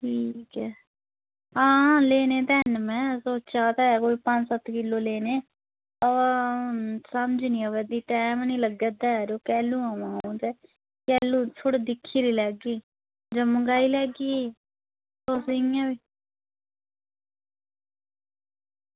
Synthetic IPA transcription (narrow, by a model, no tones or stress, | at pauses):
ʈʰiːkɛː | ɦãːleːneːt̪ɛːnmɛ̃ːsoːt͡ʃaːt̪ɛːkoːiːpəɲd͡ʒsət̪kɪlːoːleːneː | ə | səmd͡ʒnĩːəʋɛd̪iːʈɛːmnĩːləɡed̪aːɛɾoːkɛːlũːaːmãːd̪eː | kɛːluːt̪ʰoɽid̪ɪkʰːiːɾiːlɛːɡiː | d͡ʒəmə̃ɡaːiːlɛːɡiː | soːsɪŋɛ̃ːʋiː